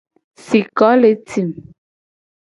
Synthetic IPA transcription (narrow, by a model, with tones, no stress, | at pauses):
si˨kɔ˨˦le˨˦ti˨m